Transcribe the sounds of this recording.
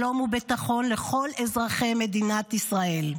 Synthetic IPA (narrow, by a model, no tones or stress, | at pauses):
o̞mubit̪aχo̞nleχo̞lezʁaχe̞jme̞d̪inat̪isʁae̞l